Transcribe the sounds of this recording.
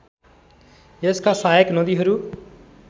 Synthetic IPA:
jeskasajeknʌd̪iɦʌɾu

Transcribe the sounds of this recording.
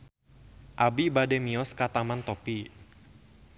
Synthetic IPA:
ʔabibademiɔskat̪amant̪opi

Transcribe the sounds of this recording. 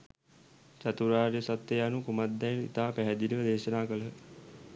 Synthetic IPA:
t͡ʃat̪uɾaːɾjəsat̪ːejanukumad̪ːɛjnḭt̪aːpæɦɛd̪inəʋəd̪eːʃənaːkələ

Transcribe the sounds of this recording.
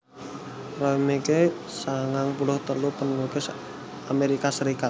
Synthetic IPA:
roimeke | saŋaŋpulɔht̪ərlupənlukɪs | ameɾikasəɾikat̪̚

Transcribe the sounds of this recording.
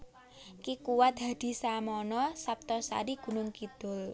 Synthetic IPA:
kikuwat̪̚d̪̥a̤d̪̥i̤samɔnɔsap̚t̪ɔsa̰ɾiɡ̥ṳnʊŋkid̪̥ʊ̤l

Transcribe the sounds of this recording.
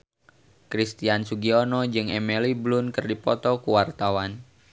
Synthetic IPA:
kɾist̪iansuɡiɔnɔd͡ʒɨŋɛmiliblʊnkərdipɔt̪ɔkuwart̪awan

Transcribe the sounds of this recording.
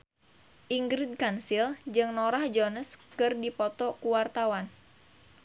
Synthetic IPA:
ʔiŋɡɾid̪̚kansild͡ʒɨŋnoɾahd͡ʒonəskɨrdipɔt̪ɔkuwart̪awan

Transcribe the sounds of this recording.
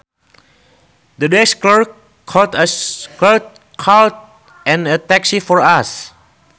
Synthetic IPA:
dədɛskləɹ | kʰɔtəklət̚ | kʰalt̚ | ɛ̃nətɛksifɔɹas

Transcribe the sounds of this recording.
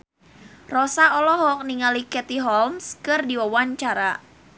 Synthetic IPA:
rɔsaɔlɔɦɔk̚niŋalikɛt̪iɦɔlmskɨrdiwawaɲt͡ʃaɾa

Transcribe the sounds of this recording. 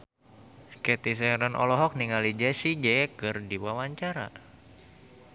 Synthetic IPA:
kɛt̪is̬ɛɾɔnʔɔ̰lɔɦɔk̚niŋalid͡ʒasid͡ʒɛkɨrdiwawaɲt͡ʃaɾa̰

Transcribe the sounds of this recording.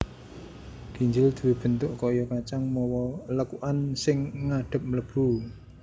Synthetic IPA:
ɡ̥iɲd͡ʒɪld̪̥ṳweb̥ə̤nt̪ʊʔkɔjɔkat͡ʃaŋmɔwɔləkuʔansɪŋːaɖ̥ə̤p̚mələb̥u

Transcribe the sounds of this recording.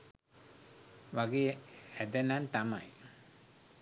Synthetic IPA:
ʋaɡeːæd̪ənant̪ama̰j

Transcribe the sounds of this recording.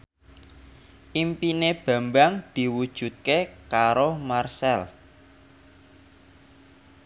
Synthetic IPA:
ʔimpineb̥a̤mbaŋd̪̥i̤wud̥ʒ̥ṳt̪̚kekaɾomarsɛl

